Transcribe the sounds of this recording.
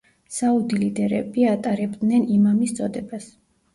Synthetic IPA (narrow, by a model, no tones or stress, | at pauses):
saud̪ilid̪ɛɾɛ̰biat̪ʼaɾɛbd̪nɛnimamist̪sʼɔd̪ɛbas